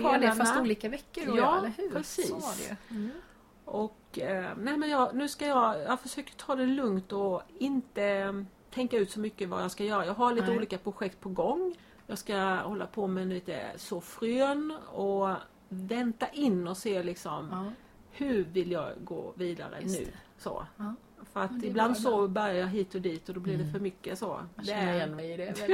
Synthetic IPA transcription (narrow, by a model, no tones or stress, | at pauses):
afasuːliːkavɛkːəjɑːləhʉpɾɛsiːsɛ̰ | ʔɔknɛɪmɛnjɑːɡnʉ̟ːskajɑɡjɑɡfœʂøːkəʈʰɑːd̪ɛlɵŋt̪ɔɪnt̪ə | t̪ʰɛŋkaʉ̟ːt̪sɔmʏkːəva̰jɑskajœːɾajɑːɡɦaɭiːt̪əuːliːkapʰɾʊɧɛk̚t̪̚pʰɔɡɔŋː | jɑːskahɔlːa̰pʰɔmɛnliːt̪ə̰sɔfɾøːnɔ | vɛnt̪aʔɪnːɔseːlɪksɔm | hɵ̟vɪljɑ̰ːɡɡo̰ːviːd̪a̰ɾə̰nʉ̟̰ː | so̰ | fœɾat̪ɪbland̪soːbœɾjajɑɦiːt̪ɔd̪iːt̪ɔd̪ɔblɪɖɛfœɾmʏkːəso̰ːd̪ɛ